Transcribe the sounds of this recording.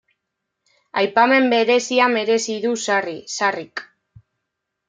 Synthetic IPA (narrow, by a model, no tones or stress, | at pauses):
ajpame̞mbe̞ɾe̞siame̞ɾe̞siðusarisarik